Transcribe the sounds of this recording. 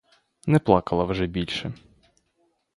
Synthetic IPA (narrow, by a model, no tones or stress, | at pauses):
nɛplˠɑkɐlˠɐwʒɛbʲilʲʃɛ